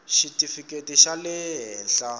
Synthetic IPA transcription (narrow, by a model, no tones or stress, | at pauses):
ʃitʼifikʼetiʃalɛɦɛːnɬa